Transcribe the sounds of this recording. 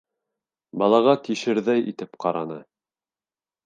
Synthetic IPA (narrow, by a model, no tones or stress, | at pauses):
bɑlˠɑʁɑt̪iʃɘ̆ɾðæjḭt̪ɘpqɑɾɑnɤ